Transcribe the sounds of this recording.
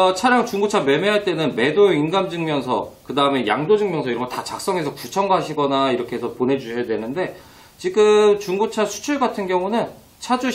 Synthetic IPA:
t͡ɕʰaɾjaŋt͡ɕuŋɡut͡ɕʰame̞meɦaɭt͈e̞nɯnme̞dojoinɡamd͡ʑɯŋmjʌnsʰʌ̰kɯdaɯme̞ja̰ŋdod͡ʑɯŋmjʌnsʰʌiɾʌmɡotat͡ɕak̚s͈ʌŋe̞sʰʌkut͡ɕʰʌŋɡaɦaɕʰiɡʌnaiɾʌkʰe̞esʰʌponɦe̞d͡ʑuɕʰʌjadwenɯnde̞ | t͡ɕiɡɯmt͡ɕuŋɡut͡ɕʰasʰu̥t͡ɕʰiɭɡatʰɯnɡjʌŋunɯn | t͡ɕʰad͡ʑu

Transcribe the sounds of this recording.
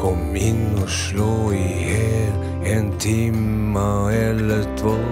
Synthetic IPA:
kʰɔm | ɪnɔʃloːɪheːl | eːnt̪ʰimː | aɛlːət̪ʰvoː

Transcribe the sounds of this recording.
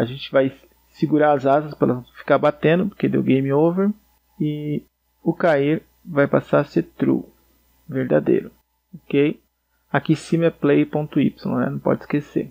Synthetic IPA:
aʒẽnt͡ʃɪvaj | siɡuɾaɾɐzazɐspɾɛlɐfi̥kaɾbat̪ẽnd̪ʊpoɾked̪ḛwɡẽjmiowveɾ | ɪ | ʊkaiɾ | vajpasaɾset̪ɾṵ | veɾd̪a̰d̪ḛjɾʊ | okej | akisĩmɛplejpõnt̪ʊḭpsõɛ̰nɐ̃w̃pɔ̰d͡ʒɪskesḛɾ

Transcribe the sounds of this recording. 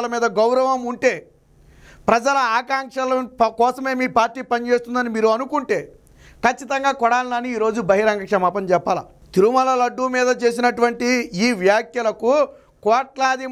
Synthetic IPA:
lɐmiːd̪ɐɡɐwɾɐʋɐmuɳʈe̞ː | pɾɐd͡ʒɐlɐaːkaːŋkʂɐlɐkɔːsɐme̞ːmiːpaːɾʈːiːpɐnit͡ʃe̞ːst̪und̪ɐnimiːɾuɐnukuɳʈe̞ː | kɐt͡ʃːit̪ɐŋɡaːkɔɽaːlinaːniːɾo̞ːd͡ʒubɐɦiɾaːŋɡɐkʂɐmaːpɐmt͡ʃɛpːaːlɐ̰ | t̪iɾumɐlɐlɐɖːumiːd̪ɐt͡ʃe̞ːs̬inɐʈuʋɐɳʈiiːʋjaːkjɐlɐku | kɔːʈlaːd̪i

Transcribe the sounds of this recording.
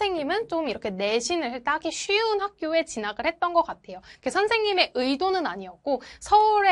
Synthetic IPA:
e̞ŋɲimɯnt͡ɕomiɾʌkʰe̞ne̞ɕʰinɯɭt͈aɡiɕʰɥiunɦak̚k͈joe̞t͡ɕinaɡɯɭhe̞t̚t͈ʌnɡʌk͈atʰe̞jokesʰʌnsʰe̞ŋɲime̞ʔɯidonɯnaɲiʌk̚k͈osʰʌuɾe

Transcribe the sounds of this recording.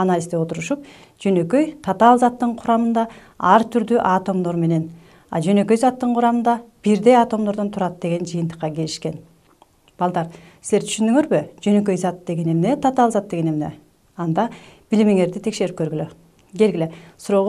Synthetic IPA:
analʲizd̪eo̞t̪uɾuʃup | d͡ʒønø̞køjt̪ʰɑt̪ɑlˠzɑt̪ːɯɴqʰuɾɑmɯnd̪ɑ | ɑɾt̪ʰyɾd̪yʔɑt̪o̞md̪o̞ɾme̞ne̞n | ɑ̰d͡ʒø̞nø̞kø̞jzɑt̪ːɯɴqʰuɾɑmɯnd̪ɑb̥iɾd̪e̞jat̪o̞md̪oɾd̪ont̪ʰuɾɑt̪̚d̪e̞ɡe̞nd͡ʒɯjɨnt̪ə̥qːɑke̞liʃke̞n | b̥ɑlˠd̪ɑɾ | sizeɾt̪ʰy̥ʃynd̪yŋøɾbyd͡ʒø̞nø̞k̬ø̞jzɑt̪d̪e̞ɡe̞nemne̞t̪ʰɑt̪ɑlˠzɑt̪̚d̪e̞ɡe̞nemne̞̰ | ɑnd̪ɑb̥ilime̞ŋe̞ɾd̪it̪ʰe̞kʃe̞ɾipkøɾɡylø | ɡe̞lɡilesuɾo̞ːʁ

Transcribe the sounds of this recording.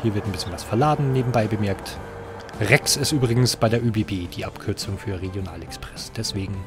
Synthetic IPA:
hiːɐvɪɐtnbɪsçənvasfɛɐlaːdn̩neːbm̩baɪbəmɛɐkt | ʁɛksɪstʔyːbʁɪɡŋ̩sb̥aɪdeːɐyːbeːbeːd̥iːʔapkʰʏɐt͡sʊŋfyːɐʁeɡjona̰ːlɛkspʁ̥ɛsd̥ɛsv̥eːɡŋ̩

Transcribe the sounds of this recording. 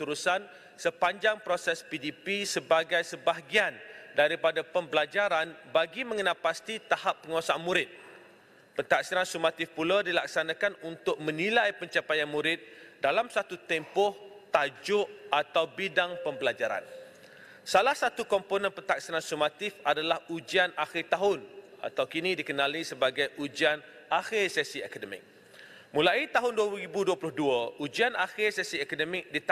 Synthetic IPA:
t̪uɾusan | səpaɲd͡ʒaŋpɾosɛspidipisəbaɡajsəbaɦɡiandaɾipadapəmbəlad͡ʒaɾanbaɡimə̃ŋənalpast̪it̪ahapːəŋuasamũɾɪt̪̚ | pərt̪aksiɾansumat̪ɪfpuladilaksanãkanunt̪ʊk̚mə̃nilajpəɲt͡ʃapajanmũɾɪt̪̚dalamsat̪ut̪ɛmpɔht̪ad͡ʒʊʔat̪awbidaŋpəmbəlad͡ʒaɾa̰n | salahsat̪ukɔmponə̃npərt̪ak̚sinansumat̪ɪfadalahud͡ʒianaxɪrt̪aɦʊn | a̰t̪awkinĩdikənãlisəbaɡajʔud͡ʒian | axɪrsɛsiɛkadəmɪ̰k̚ | mulait̪aɦʊnduəibuduəplʊhduəʔud͡ʒianaxɪrsɛsiɛkadəmɪk̚dit̪

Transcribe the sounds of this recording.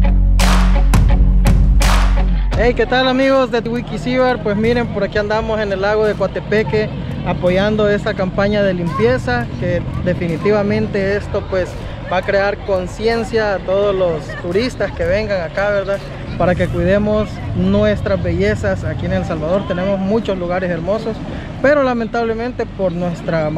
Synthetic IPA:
ejke̞t̪alamiɣo̞zd̪ewikisiβeɾpwe̞smiɾe̞mpo̞ɾakiand̪amose̞ne̞laɣoðekwat̪e̞peke | apo̞ʝand̪oe̞st̪akampaɲaðe̞limpje̞saked̪e̞finit̪iβamẽ̞nt̪e̞e̞st̪o̞pwe̞s | bakɾeaɾko̞nsje̞nsjaːt̪oðoslost̪uɾist̪aske̞βe̞ŋɡaŋakaβeɾða | paɾake̞kwiðemosnwe̞st̪ɾazbe̞ʝe̞sasakienelsalβaðo̞ɾt̪ene̞mo̞zmut͡ʃoszluɣaɾese̞ɾmoso̞s | pe̞ɾo̞lame̞nt̪aβle̞mẽnt̪e̞poɾnwe̞st̪ɾa

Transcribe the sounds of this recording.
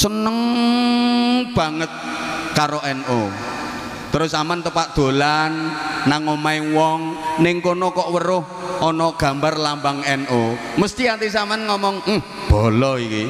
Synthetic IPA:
sənəŋ | b̥ä̤ŋət̪̚kaɾoʔɛno | t̪əɾʊsamant̪əpaʔd̪̥o̤lanːaŋomaɪwɔŋnɪŋkonɔkɔʔwəɾʊh | ʔɔnɔɡ̥ä̤mbarlambaŋɛnʔo | məst̪iat̪is̬amanŋɔmɔŋm̩h | b̥ɔlɔiki

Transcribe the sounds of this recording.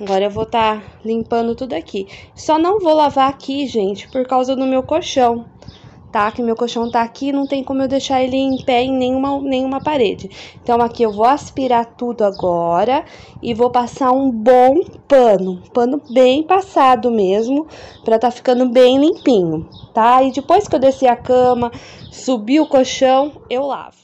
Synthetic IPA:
aɡɔɾɐewvowt̪alĩmpɐ̃nd̪ʊt̪ud̪ʊakʰisɔnɐ̃w̃vowlavaakʰiʒẽnt͡ʃɪ̥poɾkawzɐd̪ʊmewkoʃɐ̃w̃ | t̪akɪʊmewkoʃɐ̃w̃t̪aːkiːnɐ̃w̃t̪ẽj̃kõmʊewd̪ejʃaɾelɪẽj̃pɛẽj̃nẽj̃ũmɐnẽj̃ũmɐpaɾed͡ʒɪẽt̪ɐ̃w̃akiewvowaspiɾat̪ud̪ʊaɡɔɾɐ | ɪvopasaɾũbõw̃pɐ̃nʊ̃pɐ̃nʊbẽj̃pasad̪ʊmezmʊpɾɐt̪aɾfi̥kɐ̃nd̪ʊbẽj̃lĩpĩɲʊt̪aɪd͡ʒɪpojskɪewd̪esiɐkɐ̃mɐ | subiʊkoʃɐ̃w̃ewla̰vʊ

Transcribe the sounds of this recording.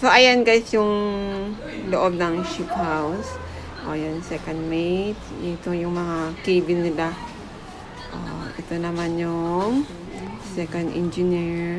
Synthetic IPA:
soʔajanɡasjʊŋ | loʔob̚nɐŋʃip̪haws | ʔojonsɛkɐnd̪̚mejt̪̚t̪ojʊŋmɐŋakiːbɪnːɪla | ʔa̰ʔɪt̪onɐmanjʊŋ | sɛkɐnd̪ʔɛ̰nd͡ʒɪniɹ

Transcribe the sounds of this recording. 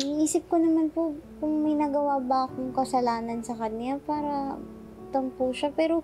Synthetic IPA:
iʔiːsɪp̚konɐmanpokʊŋmɐjnɐɡɐwabɐʔɐkoŋkɐsɐlaːnɐnsɐkɐnapaːɾɐ | t̪ompuʃapɛːɾo̞

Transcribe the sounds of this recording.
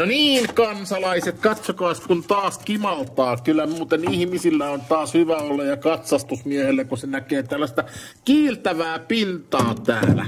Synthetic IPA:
noniːŋkɑnsɑlɑiset̪kɑt̪sokɑːskunt̪ɑːskimɑlt̪ɑːkylːˑæmuːt̪enihmisilːæont̪ɑːshyʋæolːɑjjɑkɑt̪sɑst̪usmiehelːækusenækeːt̪ælːæst̪æ | kiːlt̪æʋæːpint̪ɑːt̪æ̰ːlæ̰

